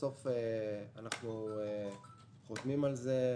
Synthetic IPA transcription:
o̞feanaχnue | χot̪mimalze̞

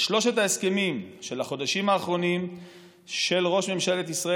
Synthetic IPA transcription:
ʃlo̞ʃet̪haeskemimʃe̞laχo̞d̪aʃimaːχʁo̞nim | ʃe̞lʁo̞ʃme̞mʃalet̪isʁa

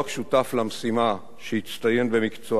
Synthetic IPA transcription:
akʃutaflamsima | ʃeit͡st̪aje̞mbe̞mikt͡so

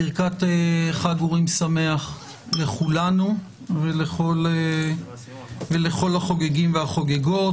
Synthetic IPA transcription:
iʁkat̪eχaɡuʁimsame̞aχ | le̞χulanu | veleχo̞le | vele̞χo̞lhaχo̞ɡeɡimveaχo̞ɡeɡo̞

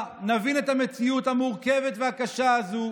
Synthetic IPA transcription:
navinetamet͡siuthamuʁke̞ve̞t̪vehakaʃaazu

